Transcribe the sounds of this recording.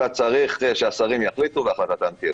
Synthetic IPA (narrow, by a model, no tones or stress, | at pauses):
at͡saʁiχeʃeasaʁimjaχlit̪uveaχlat̪at̪amt̪i